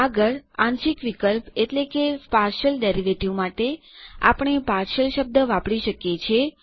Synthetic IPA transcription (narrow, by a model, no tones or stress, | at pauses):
aɡəɭãnʃikʋikəlpeʈlekepaɾʃəlɖeɾiʋeʈiomaʈea̰pɳ̃epaɾʃəlʃəb̚d̪əʋapɽiʃəkjet͡ʃʰe